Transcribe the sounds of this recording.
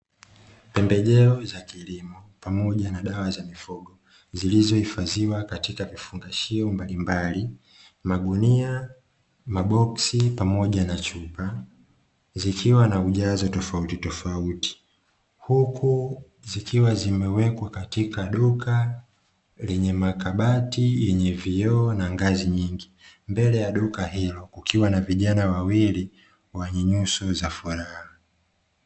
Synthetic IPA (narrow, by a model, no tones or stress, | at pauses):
pɛmbɛʄɛɔzakilimɔpamɔʄanaɗawazamifuɡɔ | zilizɔhifaziwakatikavifuŋɡaʃiɔmbalimbali | maɡunia | maɓɔksipamɔʄanat͡ʃupa | zikʰiwanauʄazɔtɔfautitɔfauti̥ | hukʰu | zikʰiwazimɛwɛkwakatikaɗukʰa | lɛɲɛmakaɓatijɛɲɛviɔːnaŋɡaziɲiŋɡimbɛlɛjaɗukahilɔkukʰiwanaviʄanawawili | wɛɲɛɲusɔzafuɾaha